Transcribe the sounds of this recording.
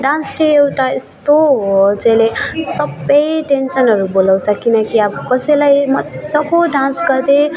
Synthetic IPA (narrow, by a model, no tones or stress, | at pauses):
ɖãnsʈeewʈaest̪oɦod͡zelesʌbʌjʈensʌnɦʌɾubolawsʰʌkinʌkiabkʌselajmʌsʌboɖãnsɡʌɾd̪e